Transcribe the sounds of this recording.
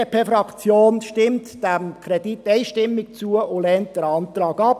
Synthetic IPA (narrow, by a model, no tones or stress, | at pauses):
epʰefrɑkt͡sjoːnʃtɪmtd̥æmkʰɾɛditɛɪʃtɪmːɪk̚t͡suəʊlɛːnt̚d̥əɾɑnt̪rɑːɡɑp